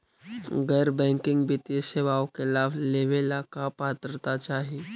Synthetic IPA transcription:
ɡɛːɾbɛ̃ːŋkɪ̃ŋɡbʱit̪iseːʋaːõkɪlaːbleːʋelakapaːt̪əɾt̪at͡ʃaːɦie

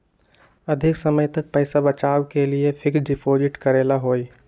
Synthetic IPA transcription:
ɐd̪ʱɪksəməjt̪ɐk̚pəɪsabət͡ʃaːwkeliepʰɪksɖɪpʰoːd͡ʒɪʈkəɾeːlaɦoːi

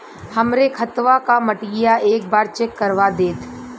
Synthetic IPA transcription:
həmɾekʰət̪ʋakaməʈɡɪjaeːk̚baːɾt͡ʃekːəɾʋad̪eːt̪ʰ

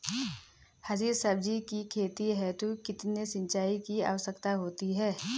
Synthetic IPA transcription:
hɐziːɾsəb̚d͡ʒikikʰeːt̪iɦɛt̪okɪt̪nesɪ̃nt͡ʃaːikia̰ːʋəsəkt̪aɦoːt̪iɦɛː

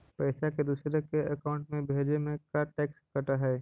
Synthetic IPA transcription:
pɛːsaked̪uːsɾekeɐkaːʊ̃ɳʈmẽbʱeːd͡ʒemẽkaʈɛːkskɐʈaɦɛː

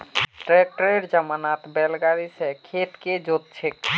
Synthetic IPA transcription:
ʈɾɛk̚ʈəɾeɾd͡ʒəmanat̪bɛlɡaɾisɛkʰeʈked͡ʒot̪̚t͡ʃʰek

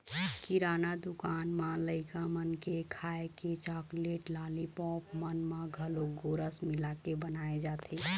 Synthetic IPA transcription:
kiɾanad̪ukaːnmãləɪkamənkekʰaeket͡ʃakleʈlalipɔ̃pmənmãɡʱəloɡoɾəsmilakebənaed͡ʒat̪ʰi

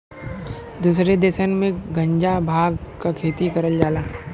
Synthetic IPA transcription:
d̪uːsɾed̪eːsənmẽɡɐ̃ɲd͡ʒabʱaːɡkakʰeːt̪ikɐɾəld͡ʒaːlaː

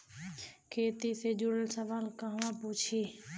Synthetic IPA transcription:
kʰeːt̪ised͡ʒuɽəlsəʋaːlkəɦʋãpuːt͡ʃʰiː

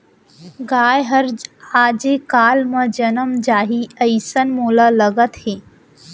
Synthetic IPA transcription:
ɡaːjɦəɾd͡ʒaːd͡ʒekaːlmə̃d͡ʒənəmd͡ʒaːɦiəjsənmoːlaləɡət̪heː

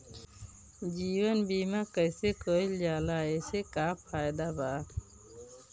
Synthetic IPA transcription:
d͡ʒiːwənbiːmakəjsekoːild͡ʒaːlaːeːsekaːpʰaːjd̪abaːt̪

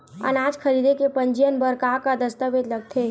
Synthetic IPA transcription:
ə̰naːd͡ʒkʰəɾiːd̪ekepə̃ɲd͡ʒijənbəɾkaːkad̪əst̪əʋed̪lɐɡ̚t̪ʰe

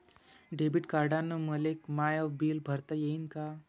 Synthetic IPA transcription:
ɖebiʈkaɾɖanəməlekmajɔʋbiːlbʱəɾt̪əjeinka

